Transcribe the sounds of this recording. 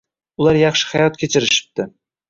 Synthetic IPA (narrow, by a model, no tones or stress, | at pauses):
ʊlˠɑɾjɑχʃɪ̥hɑjɒt̪̚kʲʰet͡ʃʰɪɾɪʃɪ̥p̚t̪ɪ